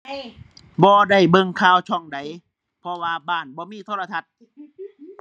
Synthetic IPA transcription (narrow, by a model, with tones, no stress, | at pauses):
bɔː˧da˧˩jbɤ˧ŋkʰaː˧˩wt͡ɕʰɔ˧˩ŋda˨˦j | pʰɔ˧waː˧baː˧˩nbɔː˧˦miː˧˥˨t̪ʰoː˧˨a˧t̪ʰa˧t̪̚